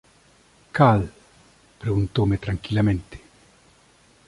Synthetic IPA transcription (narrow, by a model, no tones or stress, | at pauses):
kal | pɾeɡunt̪omet̪ɾaŋkilament̪e̥